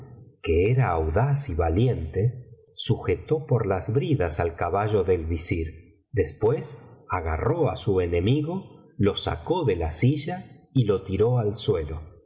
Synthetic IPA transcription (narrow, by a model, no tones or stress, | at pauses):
keeɾaːwðasiβalje̞nt̪e | suxe̞t̪o̞po̞ɾlazβɾiðasalkaβaʒo̞ðe̞lβisiɾ | d̪e̞spwe̞saɣa̰ro̞asuene̞miɣo̞ | lo̞sa̰ko̞ðelasiʒailo̞t̪iɾo̞alswe̞lo